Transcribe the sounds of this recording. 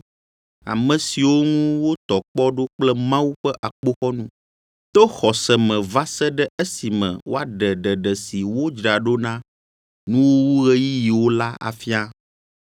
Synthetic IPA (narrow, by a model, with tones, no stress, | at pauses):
a̰˨mɛ̃˨si˨wo˦ŋũ˦wo˦t̪ɔ˨k͡pɔ˦ɖo˦k͡plɛ˦mã˦wu˦ɸɛ˦ʔa˨k͡po˦xɔ˦nũ˦ | t̪o˦xɔ˨sɛ˨mɛ̃˨va˦sɛ˦ɖɛ˦e˦si˨mɛ̰̃˨wo˦a˨ɖɛ˨ɖɛ˨ɖɛ˨si˨wo˦d͡ʒɾa˨ɖo˦nã˦ | nũ˦wo˦wu˦ɣɛ˦ji˦ji˨wo˦la˦a̰˨fi˦a˦